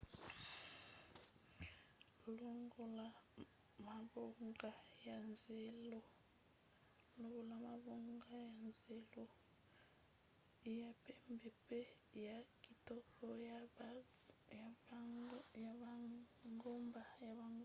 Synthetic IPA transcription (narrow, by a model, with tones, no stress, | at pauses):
lo˦ŋɡo˨la˨ | ma˨bo˦ŋɡa˨ja˨nze˨lo˨ | lo˦βu˨la˨ma˨βo˦ŋɡa˦ja˨nze˨lo˨˦ | ja˨pe˦mbe˨pe˦ | ja˨ki˨to˦ko˦ | ja˨ | ŋɡo˦mba˨ja˨βa˨ŋ